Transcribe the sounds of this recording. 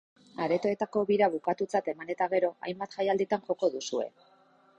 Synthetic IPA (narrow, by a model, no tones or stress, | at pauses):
aɾe̞t̪o̞e̞t̪ako̞βiɾaβukat̪ut͡sat̪e̞mane̞t̪aɣ̞e̞ɾo̞a̰jmbat̪ʝajald̪it̪anʝo̞ko̞ðusue̞̰